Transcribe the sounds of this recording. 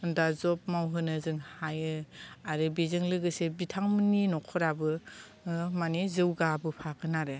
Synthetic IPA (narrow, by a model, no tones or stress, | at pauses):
dazɔp̚mawɦɯnɯzɯŋhajɯaɾɯbizɯŋlɯɡɯsebitʰaŋmɯninɔkʰɔɾabɯ | manizɯwɡabɯpʰakɯnaɾɯ